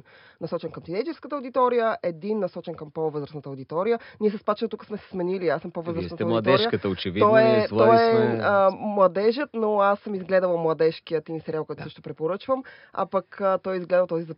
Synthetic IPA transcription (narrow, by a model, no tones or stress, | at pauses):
nɐsɔt͡ʃɛnkəmt̪id̪ɛjt͡ʃɛɾskət̪əod̪it̪ɔɾijəʔɛd̪inːɐsɔt͡ʃɛnkəmpovɤzɾəsnət̪əod̪it̪ɔɾijəniɛsɐspat͡ʃɛnot̪ukə̥smɛsɛ̥smɛniliasəmpovɤzɾəsnət̪əoɐɛɔɾɾijəkət̪əot͡ʃivit̪ɔɛt̪ɔɛəmlˠɐd̪ɛʒət̪noasːəmizɡlɛd̪əlˠɐmlˠɐd̪ɛʃkijət̪inisɛɾjalˠkoɔt̪ʊsəʃt̪opɾɛpoɾɤt͡ʃvəm | a̰pəkːt̪ɔjizɡlɛd̪əlˠt̪ɔzizɐ